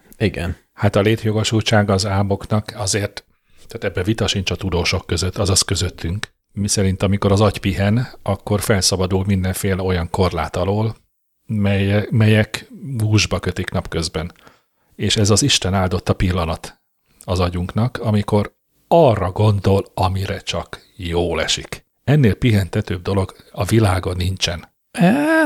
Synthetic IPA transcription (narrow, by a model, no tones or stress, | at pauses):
iɡɛ̰n | hat̪ɒleːt̪jo̞ɡo̞ʃult͡ʃaːɡɒzaːmo̞knɒkɒzeːrt̪ | t̪aːt̪ɛbːɛvit̪ɒʃint͡ʃɒt̪ud̪oːʃo̞kːø̞zøt̪ːɒzɒskø̞zøt̪ʰːyŋk | misɛɾint̪ɒmiko̞ɾɒzɒɟpiɦɛnɒkːo̞rfɛlsɒbɒd̪ulmind̪ɛɱfeːlɛo̞jɒŋko̞rla̰ːt̪ɒloːl | mɛjmɛjɛkbuːʒbɒkø̞t̪iknɒpkø̞zbɛn | eːʃɛzɒziʃt̪ɛnaːld̪o̞t̪ːɒpilːɒnɒt̪ | ɒzɒɟuŋknɒkɒmiko̞ɾ | ɒrːɒɡo̞nd̪o̞lɒmiɾɛt͡ʃɒk | joːlɛʃik | ɛnːeːlpiɦɛnt̪ɛt̪øb̚d̪o̞lo̞ɡɒvilaːɡo̞nːint͡ʃɛn | ɛ